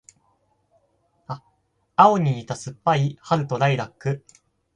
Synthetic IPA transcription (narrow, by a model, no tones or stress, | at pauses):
a | ao̞ɲ̟iːt̪asɨpːaihaɾɯ̟t̪o̞ɾaiɾakːɯ̟